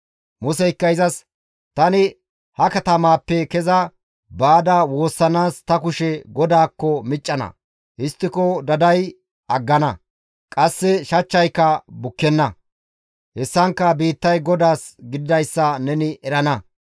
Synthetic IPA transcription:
mʊsɛɪkːɐjɪzɐs | t̪ɐnɪ | hɐkɐt̪ɐmaːpːɛkɛzɐ | baːd̪ɐwo̞ːsːɐnaːst̪ɐkʊʃɛɡɔd̪aːkːɔmɪt͡ʃʼːɐnɐ̰ | ʔɪst̪ːɪkɔd̪ɐd̪ɐj | ɐɡːɐnɐ | kʼɐsːɛʃɐt͡ʃːɐjkːɐbʊkːɛnːɐ | hɛsːɐŋkːɐbiːt̪ːɐjɡɔd̪aːsɡɪd̪ɪd̪ɐjsːɐnɛnɪʔɛɾɐnɐ

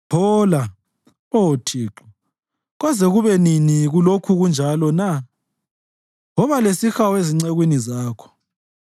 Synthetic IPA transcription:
pʰɔːla | otʰiːǁɔ | ɣɔzɛɣuβɛniniɣulokʰuɣund͡ʒʱalɔna | ŋɔβalesixaweziŋ͡ǀeɣwinizaːkʰɔ̥

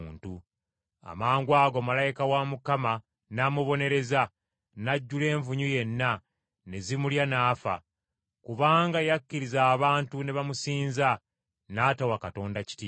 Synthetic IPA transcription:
ntu | a̰maːŋɡwaːɡo̞malajikawamukama | namuβo̞ne̞ɾe̞za | naɟːule̞ːɱvuɲuje̞nːa | ne̞zimuljanaːfa̰ | kuβaːŋɡajakːiɾizaːβaːntune̞βamusiːnza | naːtawakato̞ːndaci̥ti

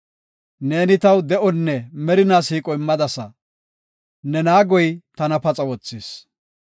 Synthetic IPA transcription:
ne̞ːnɪt̪ɐwd̪ɛʔɔnːɛmɛɾɪnaːsiːkʼɔɪmːɐd̪ɐsɐ̰ | nɛnaːɡɔjt̪ɐnɐpɐt͡sʼɐwɔt͡sːiːs

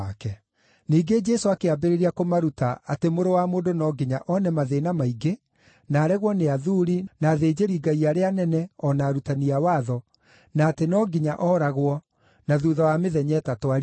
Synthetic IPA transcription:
kɛ | niːɡed͡ʒɛsoakeabeɾeɾiakomaɾutaatemoɾowamoːdonɔɡiɲaʔɔnɛmaðenamaiɡe | naːɾɛɣwɔneaðuːɾinaðeːd͡ʑeɾiːɡaiaɾeanɛnɛɔnaɾutaniawaðɔ | naːtenɔɡiɲaʔɔɾaɣwɔ | naðuðawameðɛɲɛtatwaɾ

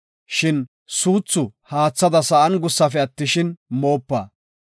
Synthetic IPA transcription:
ʃɪn | suːt͡sːʊhaːt͡sːɐd̪ɐsɐʔɐnɡʊsːɐfɛɐt̪ːɪʃɪnmoːpːa̰ː

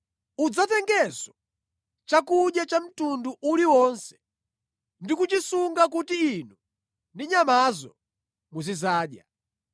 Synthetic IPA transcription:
ud͡zatɛŋɡɛzɔ | t͡ʃakuɗjat͡ʃam̩tunduʔuliwɔnsɛ̥ | ndikut͡ʃisuŋɡak̬utiːn̤u | ndiɲamazɔ̰ | muzizaːɗja̰

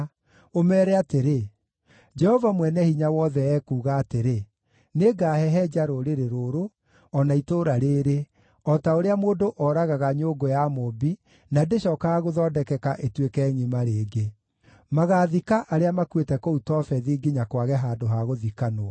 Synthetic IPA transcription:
omɛːɾɛateɾe | d͡ʒɛhɔvamwɛnɛhiɲawɔðɛɛːkuːɣaːteɾe | neɡaːhɛɦɛd͡ʒaɾoɾeɾeɾoːɾo | ɔnaitoɾaɾeːɾe | ɔtaoɾeamoːdoʔɔɾaɣaɣaɲoɡojamobi | nadeɕɔːkaɣaɣoðɔːdɛkɛkaʔetwekɛŋimaɾeːɡe | maɣaðikaʔaɾeamakwetɛkoutɔfɛðiɡiɲakwaɣɛɦaːdoɦaɣoðikanoa

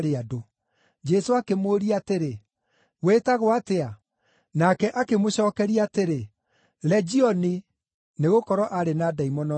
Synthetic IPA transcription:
ɾeado | d͡ʒɛsoakemoːɾiateɾe | wetaɣoatea | nakɛʔakemoɕɔːkɛɾiateɾe | lɛd͡ʒiɔni | neɣokɔɾɔʔaɾenaːdaimɔnɔ

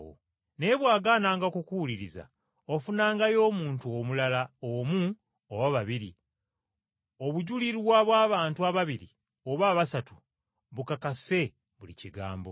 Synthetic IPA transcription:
o̰ | ne̞βwaːɡaːnaːŋɡakukuwuliɾiza̰ | o̞funaːŋɡajo̞ːmuːntuomulalaomu | owaβaβiɾi | o̞βuɟuliɾwaβwaːβaːntuaβaβiɾi | o̞βaːβasatu | βukakase̞ | βulḭciɡa̰ːmbo̞̰

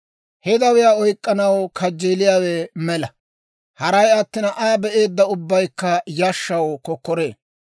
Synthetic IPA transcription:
hɛd̪ɐwɪjaːɔjkʼːɐnɐwkʰɐd͡ʒːeːlɪjaːwɛmɛlɐ | hɐɾɐjɐt̪ːɪnɐʔabɛʔe̞ːd̪ːɐʊbːɐjkːɐjɐʃːɐwkɔkːɔɾeː

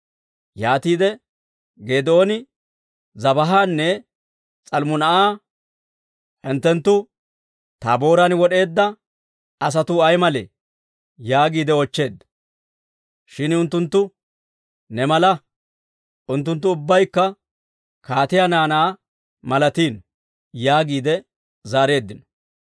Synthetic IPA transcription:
jaːt̪iːd̪ɛ | ɡe̞ːd̪ɛoːnɪ | zɐbɐɦaːnːɛ | t͡sʼɐlmʊnɐʔaː | hɛnt̪ːɛnt̪ːʊ | t̪aːbo̞ːɾɐnwɔɗe̞ːd̪ːɐ | ɐs̬ɐt̪ʊɐjmɐlḛ | jaːɡiːd̪ɛɔt͡ʃːe̞ːd̪ːɐ̥ | ʃɪnʊnt̪ːʊnt̪ːʊ | nɛmɐlɐ | ʔʊnt̪̬ːʊnt̪ːʊʊbːɐjkːɐ | kaːt̪ɪjanaːnaː | mɐlɐt̪iːn | jaːɡiːd̪ɛ | zaːɾe̞ːd̪ːɪnɔ̥

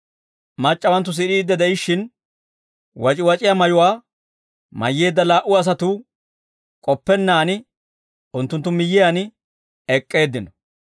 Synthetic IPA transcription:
mɐt͡ʃʼːɐwɐnt̪̬ːʊs̬ɪɗiːd̪ːɛd̪ɛɪʃːɪn | wɐt͡ʃʼɪwɐt͡ʃʼɪjamɐjʊwaː | mɐ̰jːe̞ːd̪ːɐlaːʔʊɐs̬ɐt̪ʊ | kʼɔpːɛnːaːnɪ | ʊnt̪ːʊnt̪ːʊmɪjːɪjanɪ | ɛkʼːe̞ːd̪ːɪnɔ̥

